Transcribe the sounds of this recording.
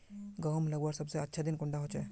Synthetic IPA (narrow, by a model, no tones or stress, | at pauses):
ɡəmləɡuaɾsəbseətːʃʰad̪inkuɳɖaɦot͡ʃʰe